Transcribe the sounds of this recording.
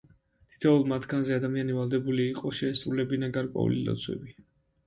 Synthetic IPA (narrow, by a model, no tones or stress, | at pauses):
t̪ʰi̥t̪ʰɛulˠmat̪ʰɡanzɛad̪amianivalˠd̪ɛbuliːqʼɔʃɛːsʼɾulɛbinaɡaɾkʼwɛ̰ṵlḭlɔ̰t̪sʰwɛ̰bi